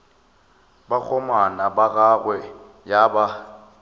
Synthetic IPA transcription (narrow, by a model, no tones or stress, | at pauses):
bak͡xʰɔmanabaɣaɣwɛ | jaba